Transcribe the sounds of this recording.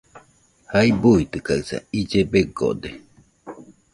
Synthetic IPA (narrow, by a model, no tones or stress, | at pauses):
haibuit̪ɨkaɯsa̰id͡ʒebeɡo̰d̪e